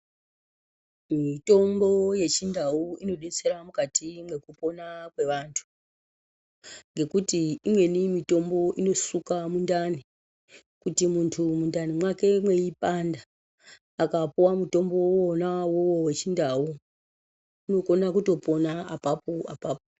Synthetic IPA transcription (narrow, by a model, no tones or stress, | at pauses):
mito̞mbo̞je̞t͡ʃindawuino̞ɗe̞t͡se̞ɾamukatimwe̞kupo̞nakwe̞ʋantʰu̥ | ŋɡe̞kutiimwe̞nimito̞mbo̞ʔino̞sukamundani | kutimuntʰumundanimwake̞mwe̞ipandaː | kapuwamuto̞mbowonawowowe̞t͡ʃindawu | uno̞ko̞nakuto̞po̞naapapoa̰paːpo